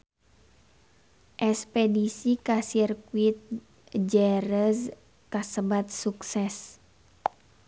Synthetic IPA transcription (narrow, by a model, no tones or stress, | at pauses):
ʔɛspɛdisikasirkuit̪̚ | d͡ʒɛɾəz | kasəbat̪̚suksɛs